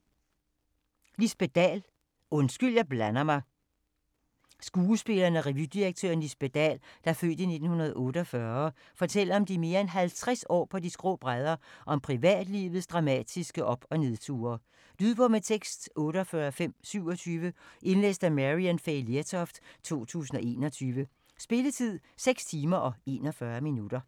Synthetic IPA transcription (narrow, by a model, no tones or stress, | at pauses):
lisb̥e̝d̥ɛ̰ːl | ɔ̽nsɡ̥yl̰jɑ̈ɪb̥lænɐmɑ̈ɪ | sɡ̥uːəsb̥e̝lɐːnæʁɛʋjyd̥iʁeɡ̥̚t͡sʰøːɐ̰n̩lisb̥ed̥ɛ̰ːld̥ɑfø̰ːd̥əine̝d̥n̩hunɐð̞̩ˠʔɔ̽ːɾəɒfɶɐ | fɒ̽t͡sʰel̰ɐɒ̽md̥ime̝ːɐenɦælt͡sʰʁasɒ̰ːpʰɒ̽d̥isɡ̥ʁɔ̽ːb̥ʁað̞ˠɐʔɒ̽mpʰʁiʋɛ̰ːd̥lḭːʋð̞̩ˠsd̥ʁɑ̈mɛ̰ːd̥isɡ̥əʔɒ̽b̥ɒ̽ne̝ðˠt͡sʰṵːɐː | l̥yðˠb̥ɒmet͡sʰeɡ̥sd̥ɔ̽ːɾəɒfɶːɐfem̰syʊ̰ɒ̽t͡sʰyːʋəʔe̝nlḛːsd̥æmæʁiænfelt͡sʰɒfd̥t͡sʰo̝̰ːt͡sʰṵːsn̩ɒ̽ʔe̝̰ːnɒt͡sʰyːʋə | sb̥e̝lət͡sʰið̞̰ˠseɡ̥st͡sʰiːmɐʔɒ̽e̝̰ːnɒ̽fɶɐminud̥ɐ